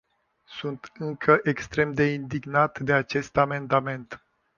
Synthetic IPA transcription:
sunt̪ɨŋkʰəʔe̞kst̪ɾe̞md̪e̞ind̪iɡnat̪d̪e̞at͡ʃe̞st̪ame̞nd̪ame̞nt̪

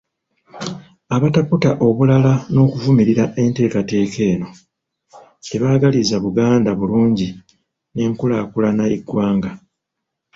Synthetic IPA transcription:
aβataputaʔo̞βulalano̞ːkuvumiɾiɾaʔe̞nte̞ːkate̞ːkʰe̞ːno̞ | teβaːɡalizaβuɡaːndaβuluːɲɟi | ne̞ːŋkulaːkulanaiɡwaːŋɡa

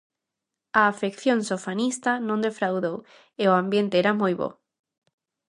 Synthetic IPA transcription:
aːfekθjõŋsofanist̪anõnd̪efɾawðow | eoambjẽnt̪eɛɾamojβo̰

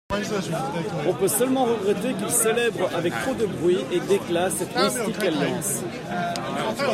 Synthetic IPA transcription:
ɔ̃pøsœlmɑ̃ʁəɡʁɛt̪ekilselɛbʁʔavɛk̚t̪χod̪əbʁɥiʔed̪eklasɛt̪mɛ̃st̪ikalːɑ̃s

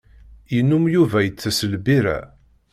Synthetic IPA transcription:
jənːumjuvæjət͡sːəsəlbiɾæ̰

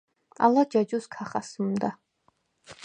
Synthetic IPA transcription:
a̰lad͡ʒad͡ʒuskʰaχasɨmd̪a

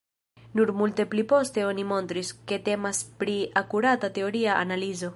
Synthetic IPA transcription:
nuɾmulte̞plipo̞ste̞o̞nimo̞nt̪ɾiske̞te̞maspɾiakuɾatate̞o̞ɾiaʔa̰nalizo̞

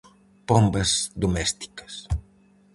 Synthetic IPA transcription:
pɔmbɐzd̪omɛst̪i̥kɐ̥s

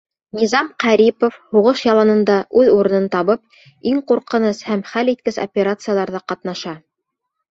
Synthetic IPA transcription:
nʲizɑmqæɾipofhuʁɤʃjɑlˠɑnɤ̆nd̪ɑʔʉðuɾɤ̆nɤnt̪ɑβɤp | iŋquɾqɤ̆nɤshæmχælit̪̚kɘso̰pʲeɾat̪sɨjalˠɑɾðɑqɑt̪nɑʃɑ

